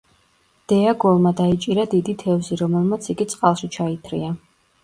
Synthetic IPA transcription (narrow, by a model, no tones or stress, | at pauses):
d̪̥ɛaɡɔlˠmad̪ait͡ʃʼiɾad̪id̪it̪ʰɛvziɾɔmɛlˠmat̪sʰiɡit̪sʼqʼalˠʃit͡ʃʰait̪ʰɾia